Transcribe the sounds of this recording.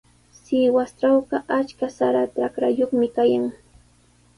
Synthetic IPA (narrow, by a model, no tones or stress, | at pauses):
sɪwast̪awɢɑʔat͡ʃkasaɾat̪akɾajoχmɪkajaŋ